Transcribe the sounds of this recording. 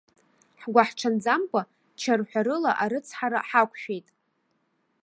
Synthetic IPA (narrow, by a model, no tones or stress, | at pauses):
ħɡʷaħʈ͡ʂʰand͡zamkʷʼa | t͡ʃʰarħʷᶣaɾɨlaʔaɾɨt͡sʰħaɾa̰ħakʷʰʼʃᶣejtʼ